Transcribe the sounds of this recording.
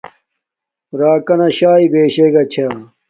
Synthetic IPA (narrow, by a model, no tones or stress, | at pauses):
ɾaːkɐnɐɕaːibeːɕeːɡɐt͡ɕʰaː